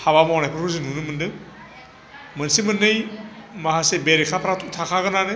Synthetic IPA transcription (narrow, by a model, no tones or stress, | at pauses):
haβamɔɔnajpʰɯɾuzinunɯmɯndɯ | mənsimɯnːɯjmaɦasebeɾikʰapʰɾatʰutʰakʰaɡɯnanɯ